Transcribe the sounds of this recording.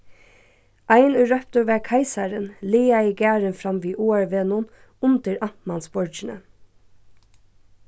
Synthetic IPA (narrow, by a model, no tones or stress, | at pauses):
aɪnʊːɾœpt̪ʊʋɛːkʰaɪsɑɾənleːaiɡæːɹənfɾɑmʋiːʔuːæɹʋeːnʊn | ʊnt̪əɾɑmɑnsbɔɹd͡ʒɪnə̰